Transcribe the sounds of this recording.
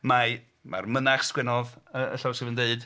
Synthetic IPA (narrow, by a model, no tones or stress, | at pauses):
ma | ma̰rmənaχskwɛnɔðəʔə̰ɬɔwsɪvəndeɨd̥